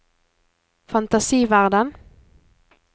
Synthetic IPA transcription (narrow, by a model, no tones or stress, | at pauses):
fɑnt̪ɑsiːʋæʁd̪ən